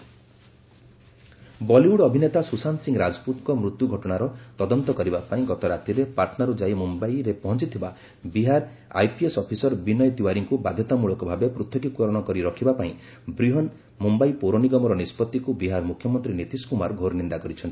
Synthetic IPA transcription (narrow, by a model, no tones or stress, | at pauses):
bɔliuɽɔbʱinet̪asusansiŋɡɾad͡ʒɔ̥put̪kɔmɾut̪juɡʱɔʈɔɽ̃aɾɔt̪ɔd̪ɔnt̪ɔkɔɾibapaĩɡɔt̪ɔɾat̪iɾepaɾʈʰnaɾud͡ʒajmumbaiɾepɔɦɔnt͡ʃit̪ʰiba | biɦaɾ | a̰jpiesɔpʰisɔɾbinɔjɔt̪iwaɾiŋkubad̪ʱjɔt̪amuɭɔkɔbʱabepɾut̪ʰːɔkikɔɾɔɽ̃ɔkɔɾiɾɔkʰibapaĩ | bɾiɦɔn | mumbaipoɾɔniɡɔmɔɾɔnispɔt̪ːikubiɦaɾmukʰjɔmɔnt̪ɾinit̪iskumaɾɡʱoɾnind̪akɔɾit͡ʃʰɔnt̪i̥